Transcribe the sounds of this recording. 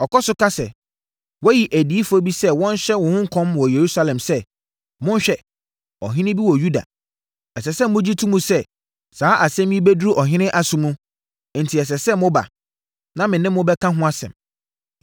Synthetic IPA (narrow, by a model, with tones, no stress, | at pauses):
ɔ˨kɔ˦sʊ˦kʰa˦sɛ̰˨ | wɔ˦ji˨ʔæ˨diː˨˦i˦fʊ˨ɔ˦bi˦sɛ˦wɔ̃˦n˦ɕᶣɛ˦wɔ̃˨hʊ̃˦ŋ̩˦kʰɔ̃˦mwɔ˨je˨ɾu˦sa˦lɛ̃˨msɛ˦ | mʊ̃˦n˦ɕᶣɛ˦ | ɔ̰˨ɦɪ̃˦nɪ̃˦bi˦wɔ˨ju˦da̰˨ | ɛ˨sɛ˨sɛ˦mʊ̃˦d͡ʑi˦tʰũ˦mũ˦sɛ˦ | saː˨˦ʔa˨sɛ̃˦mĩ˦be˦dɾu˦ʔɔ˨ɦɪ̃˦nɪ̃˦ʔa˦sʊ̃˦mũ˦ | n̩˨tʰi˨ɛ˨s̬ɛ˨sɛ˦mʊ̃˦ba̰˨ | nã˦mɪ̃˨nɪ̃˦m˦ʊ̃˦bɛ˦kʰã˦ɦʊ̃˦a˦sɛ̰̃˨m